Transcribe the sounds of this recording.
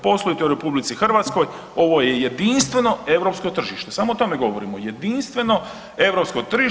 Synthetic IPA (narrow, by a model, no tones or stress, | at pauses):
po̞slˠoit̪ouɾe̞publit̪sixr̩ʋaːt̪sko̞j | o̞ʋojejed̪inst̪ʋe̞no̞e̞ʋɾo̞pskot̪r̩ʒiʃt̪e̞saːmoot̪ome̞ɡo̞ʋo̞ɾimojed̪inst̪ʋe̞no̞ | e̞ʋɾo̞pskot̪rʒi